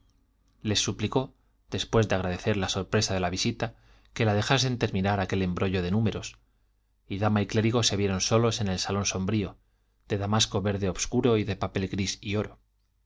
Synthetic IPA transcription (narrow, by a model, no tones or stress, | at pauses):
le̞sːupliko̞ | ð̥e̞spwe̞zðeaɣ̞ɾað̞e̞θe̞ɾlaso̞ɾpɾe̞saðe̞laβ̞isit̪a | ke̞lað̞e̞xas̬e̞nt̪e̞ɾmĩnaɾake̞le̞mbɾo̞ʝo̞ð̞e̞nũme̞ɾo̞s | iðamaikle̞ɾiɣ̞o̞se̞β̞je̞ɾo̞nso̞lo̞se̞ne̞lsalo̞nso̞mbɾio̞ | ð̥e̞ðamasko̞βe̞ɾðe̞oβskuɾo̞iðe̞pape̞lɣɾisio̞ɾo̞